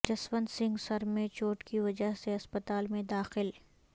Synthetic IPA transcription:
d͡ʒɐsʋənsɪ̃ŋɡsɐɾmẽt͡ʃoːʈkiʋɐd͡ʒəɦseɐspət̪aːlmẽd̪aːxɪl

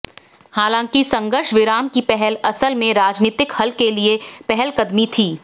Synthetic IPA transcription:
haːlãːŋkisɐ̃ŋɡəɾʃʋɪɾaːmkipɛɦɛlɐsəlmẽɾaːd͡ʒniːt̪ɪkhɐlkeliepɛɦɛlkɐd̪mit̪ʰiː

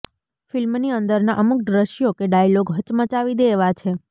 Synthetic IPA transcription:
filmniənd̪əɾnaʔəmuk̚ɖɾəʃijokeɖajloɡɦət͡ʃmət͡ʃaʋid̪eːʋat͡ʃʰe

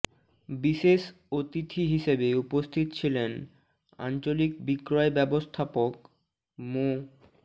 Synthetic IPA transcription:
biʃeʃ | ot̪it̪ʰiɦiʃebeupost̪ʰit̪ot͡ɕʰilen | a̰nt͡ɕolik̚bikɾɔebɛbost̪ʰapok | mo

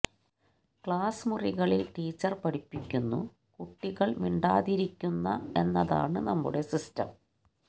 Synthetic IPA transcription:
kɭaːsmuriɣɐɭeʈiːt͡ɕːɐrpɐɽipːikʲːunːṵ | kuʈːiɣɐɭʋiɳɖaːðiɾikʲːunːɐe̞nːɐða̰ːɳɨnɐmːṵɽe̞sistɐ̰m

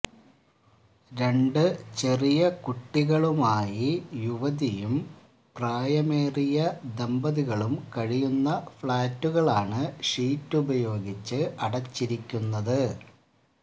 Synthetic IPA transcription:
ɾe̞ɳɖɨt͡ɕerijɐkuʈːiɣɐɭumaːjijuʋɐðijum | praːjɐmeːrijɐd̪embɐðiɣɐɭumkɐɻijunːɐfɭaːtːuɣɐɭaːɳɨʂiːtːubɐjo̞ːɡit͡ɕːɨʔɐɽɐt͡ɕːiɾikʲːunːɐðɨ

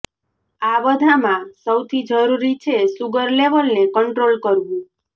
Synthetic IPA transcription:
aʋəd̪ʱamãsəwt̪ʰid͡ʒəɾuɾit͡ʃʰesuɡəɾleʋəlnekəɳʈɾolkəɾbũ

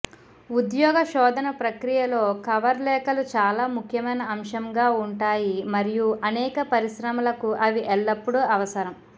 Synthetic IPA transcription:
ud̪jɔːɡɐʃɔːd̪ʱɐnɐpɾɐkɾijɐlo̞ːkɐʋɐɾlɛːkɐlut͡ʃaːlaːmukʰjɐmɐjnɐːmʂɐmɡaːuɳʈaːjimɐɾijuʔɐnɛːkɐpɐɾiʃɾɐmɐlɐkuʔɐʋiʔɛɭːɐpːuɽuɐʋɐsɐɾɐm

